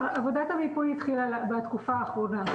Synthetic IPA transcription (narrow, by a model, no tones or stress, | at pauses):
ʔavod̪at̪amid̪̚poit̪χilalbat̪kufaːχʁona